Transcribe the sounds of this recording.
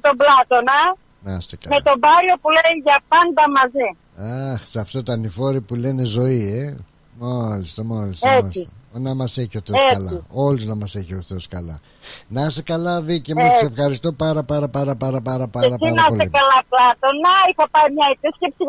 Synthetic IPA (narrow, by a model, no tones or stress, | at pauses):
met̪o̞blɐt̪onɐ | nɐst̪ekɐme̞t̪o̞bɐɾio̞puleʝɐpɐnd̪ɐmɐzi | ɐxsɐft̪ot̪ɐnifo̞ɾipule̞ne̞zo̞ie | mɐlist̪omɐlist̪oesionɐmɐse̞çioθeoeɐlɐio̞luznɐmɐse̞çio̞θeoskɐlɐ̰ | nɐst̪ekɐlɐðicemɐssefxɐɾist̪o̞pɐɾɐpɐɾɐpɐɾɐpɐɾɐpɐɾɐpɐeɾɐsinɐspolekɐlɐplɐt̪o̞nɐixɐpɐimɲɐepisce̞psi